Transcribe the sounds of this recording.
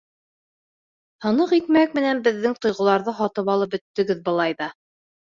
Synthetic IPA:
hɤ̆nɤqik̚mæk̚mɘ̆nænbɘ̆ðːɘŋt̪ŏjʁɤ̆lˠɑɾðɤɦɑt̪ɤpɑlˠɤp̚bɵ̆t̪ːɵ̆ɡɘðbɤ̆lˠɑjðɑ

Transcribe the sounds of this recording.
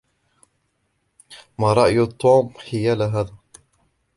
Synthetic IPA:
maːɾˤɑʔjt̪ˤːuːmħɪjaːlaɦaːðaː

